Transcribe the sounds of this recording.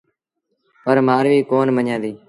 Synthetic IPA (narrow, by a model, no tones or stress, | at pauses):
pəɾmaːɾʋiːkoːnməɲãːd̪iː